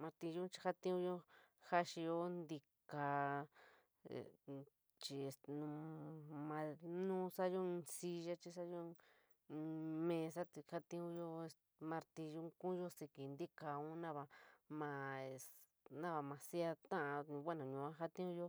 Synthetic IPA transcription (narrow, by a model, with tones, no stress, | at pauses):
mã˧ɾt̪i˧ju˦t͡ʃi˧ha˦t̪ĩ˦ũ˧jo˦ha˦ʃi˧jo˦nd̪i˧ka˧˨ | t͡ʃi˧e˧˨st̪e˧nũ˧mã˧nũː˦sa˦jo˦ĩ˧si˧ʒa˦t͡ʃi˧s̬a˦jõ˦˧ | mẽ˧s̬a˦t̪i˧ha˦t̪ĩ˧ũ˧˦jo˦e˧s | mã˧ɾt̪ĩ˧ʒu˦kũ˦jo˦si˧ki˨nd̪i˦ka˧ũ˦nã˦βa˧mã˧e˧s | nã˦˧βa˧mã˧si˦a˧t̪ã˦ʔã˧ɲũ˧βʷa˦nũ˨ɲũ˧ã˦ɦa˦t̪ĩ˦ũ˦jo˦